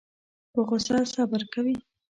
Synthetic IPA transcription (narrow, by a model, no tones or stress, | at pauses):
pəɣʊsasɑbaɾkawi